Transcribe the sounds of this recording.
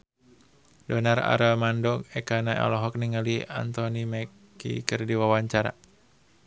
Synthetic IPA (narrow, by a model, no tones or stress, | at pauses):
dɔnara̰ɾamandɔŋɛkanaʔɛ̰lɔɦɔk̚niŋalia̰nt̪ɔnimɛkː | ḭkərdiwawaɲt͡ʃaɾa̰